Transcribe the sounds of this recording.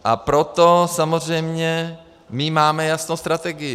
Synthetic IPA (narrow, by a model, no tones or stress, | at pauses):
ʔapɾot̪osamor̝ɛjmɲɛ | mɪmaːmɛjasnowst̪ɾat̪ɛɡɪjɪ